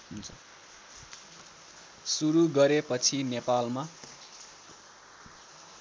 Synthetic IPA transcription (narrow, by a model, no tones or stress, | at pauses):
ɦunt͡sʰʌ | suɾuɡʌɾepʌt͡sʰinepalma